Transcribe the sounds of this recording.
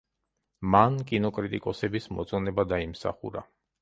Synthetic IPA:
mankʼinɔkʼɾit̪ʼikʼɔsɛbismɔ̰t̪sʼɔnɛbad̪aimsa̰χṵɾa̰

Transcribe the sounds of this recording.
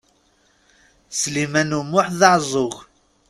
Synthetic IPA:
slimænumʊħðɑʕzˤʊɣ

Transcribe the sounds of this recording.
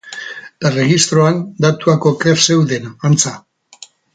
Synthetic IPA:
ere̞ɣist̪ɾo̞and̪at̪uakokeɾse̞wðe̞naant͡sa

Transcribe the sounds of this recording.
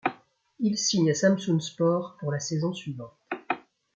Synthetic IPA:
ilsiɲasamsunspɔʁpuʁlasezɔ̃sɥivɑ̃t̪

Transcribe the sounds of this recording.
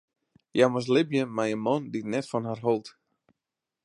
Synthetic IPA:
jaməs̬lɪbjəmajənmɔnditnɛtfɔnɦarɦolˠt

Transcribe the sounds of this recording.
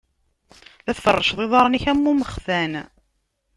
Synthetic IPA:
ðæθfərˤːəʃðˤeðˤɑɾˤniçæmːuməχθæn

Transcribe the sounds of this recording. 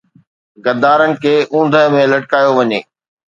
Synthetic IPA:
ɡɐd̪aːɾənɪ̆kʰeːʔũːnd̪ʱəɦmẽlɐʈ̚kaːjoʋɐɲeː

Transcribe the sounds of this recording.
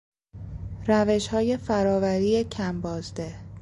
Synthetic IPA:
ræve̞ʃhɒːje̞fæɾɒːvæɾiːecʰæmbɒːzd̪e̞

